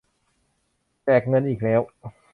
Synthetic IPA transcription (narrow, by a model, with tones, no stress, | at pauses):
t͡ɕɛː˨˩k̚ŋɤ˧nʔiː˨˩k̚lɛː˦˥w